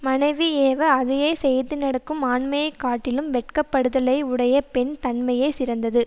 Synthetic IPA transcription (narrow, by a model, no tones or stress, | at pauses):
mɐnɐɪʋieːʋɐɐðɐjɐɪsɛjɐt̪ːɯnɐɽɐkːɯmaːɳmɐjɐɪkːaːʈːɪlɯmʋɛʈ̚kɐpːɐɽɯðɐlɐɪʊɽɐjɐpɛɳt̪ɐɳmɐjɐɪsɪɾɐnd̪ɐðɯ